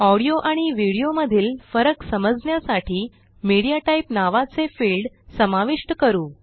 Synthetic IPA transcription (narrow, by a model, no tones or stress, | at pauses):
ɔɽijoʔaɽ̃iʋiɽijoməd̪ʱiːlfəɾəksəməd͡znjasaʈʰiː | miɽijaʈaipnaʋat͡sefilɖ | səmaʋiʂʈəkəɾuː